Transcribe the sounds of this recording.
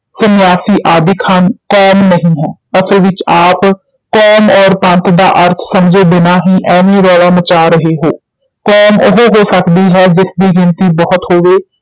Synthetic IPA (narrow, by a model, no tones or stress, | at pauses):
sənɪjaːsiːʔaːd̪ɪkhənkɔːmnəɦĩːɦɛːəslʋɪt͡ʃaːp | kɔːmɔːɾpə̃nt̪d̪a̰ːʔəɾt̪ʰsəmd͡ʒeːbɪnaːɦĩːʔɛːʋẽːɾɔːlaːmət͡ʃaːɾəɦeːɦoː | kɔːmʊɦoɦoːsəkd̪iːɦɛːd͡ʒɪsd̪iːɡɪnt̪iːbɔːʊt̪hoːʋeː